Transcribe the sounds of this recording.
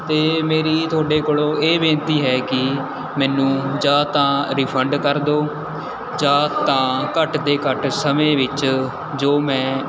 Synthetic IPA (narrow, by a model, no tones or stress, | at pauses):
t̪eːmeːɾiːt̪ʰʊaːɖeːkoːɽõːʔeːʋẽːnt̪iːɦɛːkɪ | mɛːnũːd͡ʒãːt̪ãːɾiːpʰəɳɖkəɾd̪oː | d͡ʒãːt̪ãːkəʈd̪eːkəʈsəmẽːʋɪt͡ʃ | d͡ʒoːmɛ̃ː